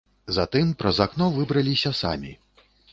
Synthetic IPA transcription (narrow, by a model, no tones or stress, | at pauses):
zat̪ɨmpɾɐzaknɔvɨbɾɐlʲisʲɐsa̰mʲi